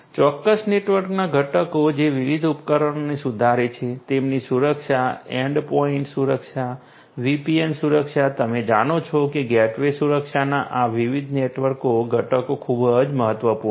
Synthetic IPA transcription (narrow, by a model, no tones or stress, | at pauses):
t͡ʃɔkːəsneʈʋəɾknaɡʱəʈəkod͡ʒeʋiʋid̪ʱupkəɾəɳnesud̪ʱaɾet͡ʃʰet̪emnisuɾəkʃaeɳɖpoiɳʈsuɾəkʃa | ʋipiensuɾəkʃat̪əmed͡ʒañot͡ʃʰɔkeɡɛʈʋesuɾəkʃanaʔaʋiʋid̪ʱneʈʋəɾkoɡʱəʈəkokʰubəd͡ʒməɦət̪ʋəpu